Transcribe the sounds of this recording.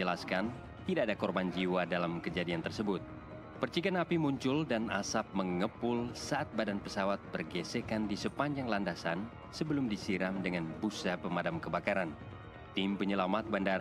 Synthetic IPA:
əlaskan | t̪idaːdakɔrband͡ʒiwadalamkəd͡ʒadiant̪ərsəbʊt̪̚ | pərt͡ʃiɡanapimuɲt͡ʃʊldana̰sap̚məŋəpʊlsaʔat̪̚badanpəsawat̪̚bərɡesekandisəpaɲd͡ʒaŋlandasan | səbəlʊmdisiɾamdəŋanbusapəmadamkəbakaɾan | t̪impəɲəlamat̪̚bandaɾ

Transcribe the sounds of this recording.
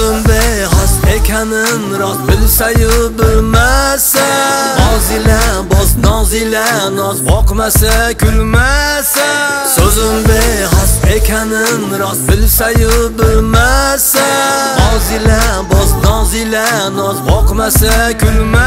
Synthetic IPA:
ɪmbehasekʲʰanɪnɾɒt̪bɪlsajɪbɪlmasaɒzɪlabɒznɒzɪlanɒzbɒqmasakʲʰʊlmasa | sɵzɪmbehasekʲʰanɪnɾɒt̪bɪlsajʊbɪlmasɒzɪlabɒznɒzɪlanɒzbɒqmasakʲʰʊlma

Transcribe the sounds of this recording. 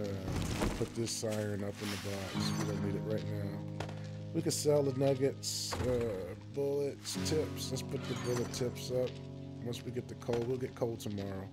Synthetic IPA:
ʌpʰʊt̪̚ðɪsaɪɹɨ̃nʌpɨ̃n̩ðɨbɑkswiðõniɾɨʔ̚ɹaɪtⁿnaʊ | wikɨdsɛlˠədⁿnʌɡɨtsʌb̥ʊlˠɪtstʰɪpslətspʰʊt̪̚ðɨbʊlˠətʰɪpsʌp̚ | wʌ̃nswiɡɛt̪̚ðɨkʰoʊlˠwilˠɡɛt̚kʰoʊlˠd̚tʰəmɑɹoʊ

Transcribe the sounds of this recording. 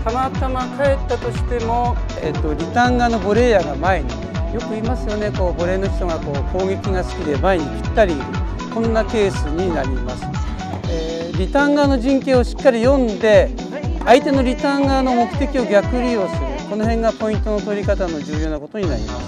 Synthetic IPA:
t̪amat̪amakae̞t̪ːat̪o̞ɕi̥t̪e̞mo̞ | ḛt̪ːo̞ɾʲit̪ãŋɡano̞bo̞ɾe̞ːjaːɡamae̞ɲ̟i | jo̞kɯ̟imasɨjo̞ne̞ko̞ːbo̞ɾe̞ːno̞ç̥ʲt̪o̞ɡako̞ːko̞ːɡe̞kʲiɡasɨ̥kʲid̪e̞maeɲ̟ikʲi̥t̪ːaɾʲi | kõ̞nːake̞ːsɨɲ̟inaɾʲimasɨ̥ | eː | ɾʲit̪ãŋɡano̞ʑĩŋke̞ːo̞ɕi̥kːaɾʲijõ̞nd̪e̞ | ait̪e̞no̞ɾʲit̪ãŋɡano̞mo̞kɯ̟̥t̪e̞kʲio̞ɡʲakɯ̟ɾʲiosɨɾɯ̟ko̞no̞ɦẽ̞ŋɡapo̞ĩnt̪ono̞t̪o̞ɾʲikat̪ano̞d͡ʑɨːjo̞ːnako̞t̪o̞ɲinaɾʲḭmasɨ̥

